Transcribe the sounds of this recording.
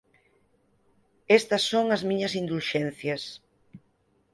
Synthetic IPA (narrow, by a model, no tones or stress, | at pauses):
est̪ɐsːoŋɐzmĩɲɐsind̪ulʃɛn̟θjɐs